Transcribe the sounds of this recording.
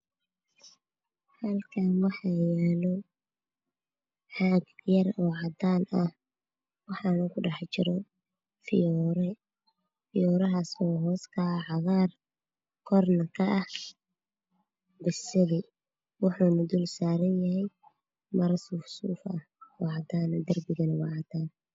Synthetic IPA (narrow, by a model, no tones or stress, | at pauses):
hɐlkʰɐnwɑħɑjaːlɔ | ħɑːɡjɐrɔːʕɑd̪aːnɐh | wɑħɑːnɐkʰʊɖɑħt͡ʃɪɾɔ | fɪɾ | fɪjɔːɾɐɦaːsɔːɦɔːskʰɐʕɑɣaːr | kʰɔrnɐkʰɐʔɐh | bɪsɐðɪ | wɑħuːnɐd̪ulsaːɾɐnjɐɦɛj | mɐɾɐsufsuːfɐ̰hɔːʕɑd̪aːnɐd̪ɐrbɪɣɐnɐwɑʕɑd̪aːn